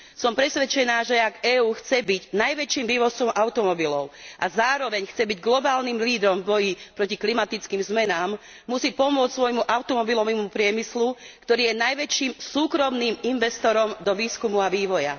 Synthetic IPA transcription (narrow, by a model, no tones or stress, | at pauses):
sɔmpɾɛsʋɛt͡ʃɛnaːʒɛaɡɛːuːxt͡sɛbiɟnajʋɛt͡ʃiːmʋiʋɔst͡sɔmʔaʊt̪ɔmɔbilɔʊʔazaːɾɔʋɛɲxt͡sɛbiɟɡlɔbaːlniːmliːd̪ɾɔmvbɔjipɾɔciklimat̪it͡skiːmzmɛnaːmː | usiːpɔmʊɔt͡ssʋɔjmuʔaʊt̪ɔmɔbilɔʋimupɾɪɛmislukt̪ɔɾiːjɛnajʋɛt͡ʃiːmsuːkɾɔmniːminʋɛst̪ɔɾɔmd̪ɔʋiːskumuaʋiːʋɔja̰